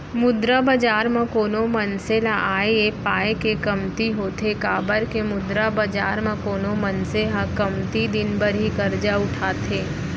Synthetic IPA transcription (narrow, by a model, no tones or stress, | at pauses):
mʊd̪ɾabɐd͡ʒaːɾmɐ̃koːnomɐnselaʔaːeeːpaːekekɐmt̪iɦoːt̪ʰekaːbəɾkemʊd̪ɾabɐd͡ʒaːɾmə̃koːnomɐnseɦãkɐmt̪id̪ɪnbəɾɦikɐɾd͡ʒaʊʈʰaːt̪ʰeː